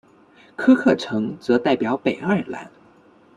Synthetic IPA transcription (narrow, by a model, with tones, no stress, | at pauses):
kʰɤ˥kʰɤ˥˩ʈ͡ʂʰɤ˧˥ŋt͡sɤ˧˥t̪a˥˩ɪpjɑ˨˧˥ʊpe˨˩ɪa˥˩la̰˧˥n